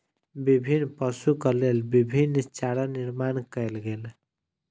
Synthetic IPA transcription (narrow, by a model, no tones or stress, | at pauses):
bibʱinːpəsukəlelbibʱint͡ʃaɾaniɾmankəjlɡel